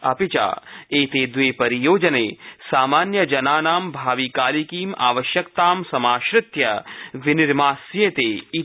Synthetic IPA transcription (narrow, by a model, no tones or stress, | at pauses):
ɐpit͡ʃa̰ːeːt̪eːd̪ʋeːpɐɾijoːd͡ʒɐneːsaːmaːnjɐd͡ʒɐnaːnaːmbʱaːʋikaːlikiːma̰ːʋɐʃjɐkt̪aːmsɐmaːʃɾɪt̪jɐʋɪnɪɾmaːsjeːt̪eːi